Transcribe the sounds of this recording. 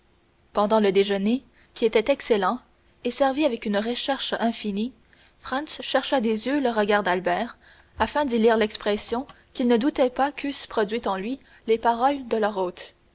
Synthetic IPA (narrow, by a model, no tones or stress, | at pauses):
pɑ̃d̪ɑ̃ləd̪eʒəne | kʲiet̪ɛt̪ɛkselɑ̃ | esɛʁviavɛkynʁəʃɛʁʃɛ̃fini | fʁɑ̃nsʃɛʁʃad̪ezjøləʁəɡaʁd̪albɛːʁ | afɛ̃d̪iliːʁlɛkspχɛsjɔ̃ | kʲilnəd̪ut̪ɛpakʰyspχɔd̪ɥit̪ɑ̃lɥi | lepaʁɔld̪əlœʁoːt̪